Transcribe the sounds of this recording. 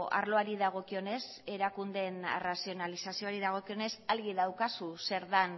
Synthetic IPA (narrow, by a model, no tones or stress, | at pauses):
a̰ɾlo̞aɾiðaɣ̞o̞kio̞ne̞s | e̞ɾakund̪e̞nḛrasio̞nalisasio̞aɾiðaɣ̞o̞kio̞ne̞salɣiðawkasuse̞ɾðan